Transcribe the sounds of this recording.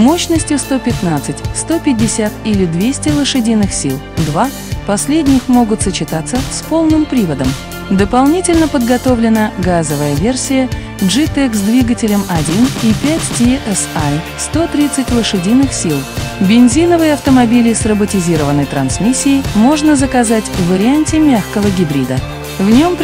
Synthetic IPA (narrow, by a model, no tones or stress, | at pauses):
mo̞ɕnəsʲtʲjʊst̪o̞pʲɪt̪nat̪sɨtʲst̪o̞pʲɪdʲɪsʲat̪ilʲɪd̪vʲesʲtʲɪlˠəʂɨdʲinːɨxsʲilˠd̪va | pɐsʲlʲedʲnʲɪxmo̞ɡʊt̪sət͡ɕɪt̪at̪səspo̞lˠnɨmpɾʲivəd̪əm | d̪əpɐlˠnʲitʲɪlʲnəpəd̪ɡɐt̪o̞vlʲɪnəɡazəvəjəvʲe̞rsʲɪjə | ʐɨt̪ɛksd̪vʲiɡətʲɪlʲəmɐdʲinipʲætʲtʲeʔɛsa | st̪o̞t̪ɾʲit̪sɨtʲlˠəʂɨdʲinːɨxsʲilˠbʲɪnʲzʲinəvɨjəɐft̪əmɐbʲilʲɪsrəbətʲɪzʲiɾəvənːəjt̪ɾɐnsmʲisʲːɪɪjmo̞ʐnəzəkɐzatʲvəɾʲɪanʲtʲɪmʲaxkəvəɡʲɪbɾʲid̪ə | vnʲo̞mpʲ